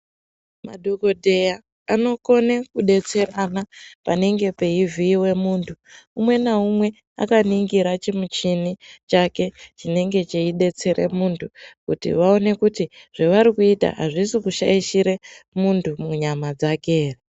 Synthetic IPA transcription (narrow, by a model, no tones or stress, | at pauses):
ma̰ɗoko̞dʱe̞ja | ano̞ko̞nekuɗe̞t͡se̞ranapane̞ŋɡe̞pe̞iviːwe̞muːntʰuumwe̞naumwe̞ | a̰kaniŋɡiɾat͡ʃimut͡ʃinit͡ʃake̞t͡ʃine̞ŋɡe̞t͡ʃeiɗe̞t͡se̞ɾe̞muːntʰukutḭʋao̞ne̞kutiʐ̥eʋaɾikuita̰ɦa̰ʐisikuʃaiʃiɾemuntʰumuɲamad͡zake̞ːre